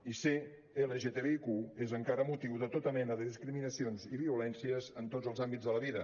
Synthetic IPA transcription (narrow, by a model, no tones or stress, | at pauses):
ise | eləʒet̪eβeikuezəŋkaɾəmut̪iwðət̪ot̪əmɛnəðəðiskɾiminəsionziβiulɛnsiəzənt̪od͡zəlˠzambid͡zðələβiðə